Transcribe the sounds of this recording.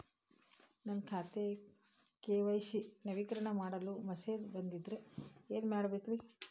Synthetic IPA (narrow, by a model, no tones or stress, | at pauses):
nɐnkʰaːt̪e | keːʋɐjʃinɐʋikɐɾɐɳɐmaːɽɐlumɐseːd̪bɐnd̪id̪ɾeeːnmaːɽbeːkʋi